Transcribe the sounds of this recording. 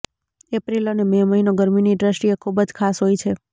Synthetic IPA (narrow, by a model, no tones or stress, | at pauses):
epɾilonememəɦinoɡəɾminiɖɾəsʈijekʰubəd͡ʒkʰasɦojt͡ʃʰe